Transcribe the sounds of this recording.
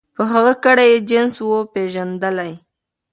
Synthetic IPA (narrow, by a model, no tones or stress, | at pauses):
pəɦaɣəkaɽajed͡ʒɪnswopeʒand̪əlaj